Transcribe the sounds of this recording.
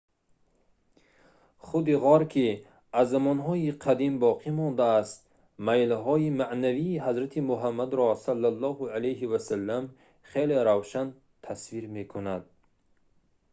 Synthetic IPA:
χud̪iʁɔɾkʰi | azːamɔnɦɔiqʰad̪imbɔqʰimɔnd̪aːst̪ | majlɦɔimaʔnaviːɦazɾat̪ʰimuɦamːad̪ɾɔsalːalˠːɔhualejɦivasalːam | χeleɾawʃan | t̪ʰasviɾme̞kʰunad̪̚

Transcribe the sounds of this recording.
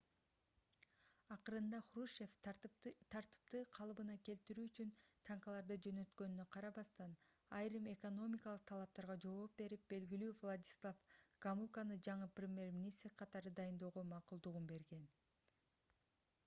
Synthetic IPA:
ɑqɯɾɯnd̪ɑχruʃe̞ft̪ʰɑɾt̪ɯ̥p̚t̪ɯqʰɑlˠbɯnɑke̞lt̪iɾyːyt͡ʃynt̪ʰɑɴqɑlˠɑɾd̪ɯd͡ʒø̞nø̞t̪kø̞nynø̞qʰɑɾɑβɑst̪ɑn | ɑjɾɯme̞ko̞no̞mʲikɑlˠɯq̚t̪ʰɑlˠɑp̚t̪ɑɾʁɑd͡ʒooːp̚be̞ɾip̚be̞lɡilyːvlˠad̪ʲi̥slˠafɡ̥amulˠkanɯd͡ʒɑɴɯprʲemʲje̞rmʲinʲist̪ɾqʰɑt̪ɑɾɯd̪ɑjɯnd̪o̞ːʁo̞mɑqulˠd̪uʁunbe̞ɾɡe̞n

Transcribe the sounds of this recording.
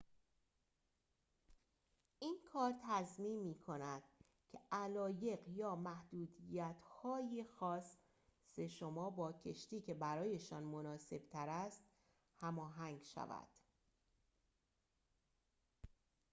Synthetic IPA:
ʔiːnkʰɒːɾt̪ʰæzmiːnmiːkʰo̞næd̪̥ | cʰe̞ʔælɒːje̞ɢjɒːmæhd̪̥uːd̪ijæt̪ʰhɒːjixɒːs | se̞ʃo̞mɒːbɒːcʰe̞ʃt̪iːcʰe̞bæɾɒːje̞ʃɒːnmo̞nɒːse̞b̥̚t̪ʰæɾæst̪ | hæmɒːɦæŋɡʃæ̰væ̰d̪̥

